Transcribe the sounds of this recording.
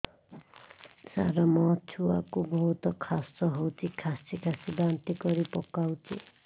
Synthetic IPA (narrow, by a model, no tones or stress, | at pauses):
sa̰ɾamɔt͡ʃʰua̰kubɔɦut̪ɔkʰasɔɦowt̪ʰikʰasikʰasibant̪ikɔɾipɔkawt̪ʰḭ